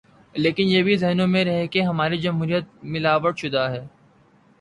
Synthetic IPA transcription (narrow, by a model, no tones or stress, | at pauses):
leːkɪnjebʱizɛɦnõmẽɾɐɦekeɦɐmaːɾid͡ʒɐmɦuːɾijət̪̚mɪlaːʋəɽʃʊd̪aɦɛː